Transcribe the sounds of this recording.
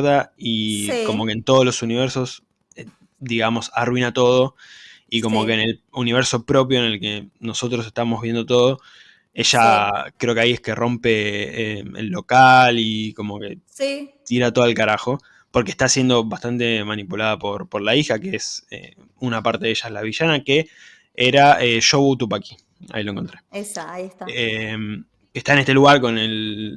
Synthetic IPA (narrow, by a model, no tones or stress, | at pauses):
ðaiko̞mo̞kent̪o̞ð̞olo̞suniβɛɾso̞s | e | d̪iɣamo̞sarwinat̪o̞ð̞o̞ | iko̞mo̞keːne̞luniβ̞eɾso̞pɾo̞p̬joenelke̞no̞so̞t̪ɾo̞s̬eht̪amo̞ɦβ̞je̞nd̪o̞t̪̬o̞ð̞o̞ | e̞ʃakɾe̞okeajehkerʔo̞mpe̞eḛlːo̞kaliko̞mo̞ke̞it̪iɾat̪o̞ðelkaɾaxo̞ | po̞ɾkeht̪asje̞nd̪o̞βast̪ant̪e̞manipulaðapo̞ɾpo̞ɾlaixakeesḛ | unapaɾt̪e̞ðeʃaelaβiʃanake | eɾaeʃoβut̪up̬aki̥ | a̰iloeŋkont̪ɾe̞sit̪em | ke̞ht̪aene̞ht̪e̞luɣaɾko̞nel